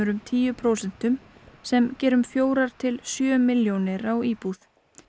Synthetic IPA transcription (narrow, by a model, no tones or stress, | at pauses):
ʏɾʏmt̪ʰiːjʏpʰɾowsɛn̥t̪ʏmsɛmcɛːɾʏmfjoːwɾaɾ̥t̪ʰɪlsjœːmɪljownɪɾawiːpuθ